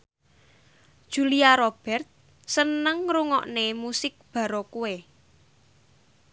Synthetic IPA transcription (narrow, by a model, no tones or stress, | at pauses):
d̥ʒ̥ṳliaɾob̥ɛ̤rt̪̚ | sənəŋɾuŋɔ̰ʔnemusɪk̚b̥ä̤ɾɔkuwe